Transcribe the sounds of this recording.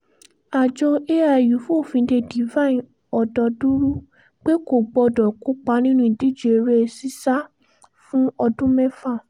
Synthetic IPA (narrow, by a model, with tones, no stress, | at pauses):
a˨d͡ʒɔ˧e˦a˧˨ju˨˦fũ˦o˦˨fĩ˧de˧di˨vã˦ĩ˨ | ɔ˨dɔ˨˧du˦ɾu˦ | k͡pe˦ko˦˨ɡ͡bɔ˧˨dɔ˨ku˦k͡pa˧˦nĩ˦nũ˦ĩ˨di˦˨d͡ʒe˨˧ɾe˦e˧si˦sa˦ | fũ˦ɔ˧dũ˦mɛ̃˦fa˦˨